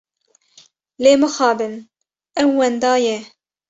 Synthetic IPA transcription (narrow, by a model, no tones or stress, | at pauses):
leːmɨxɑːbɨn | ɛwːɛnd̪ɑːjɛ